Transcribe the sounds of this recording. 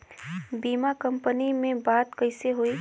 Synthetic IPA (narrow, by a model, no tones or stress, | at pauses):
biːmakɐ̃mpənimẽbaːt̪kɐɪseɦoi